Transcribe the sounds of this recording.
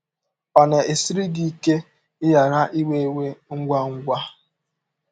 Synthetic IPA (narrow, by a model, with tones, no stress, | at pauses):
pa˨na˨e˨si˦ɾi˦ɡi˦˨ke˦ | ɪ˦ja˨ɾa˦ʔi˦we˦we˦ŋ̩˦ɡʷa˦ŋ̩˦ɡʷa˦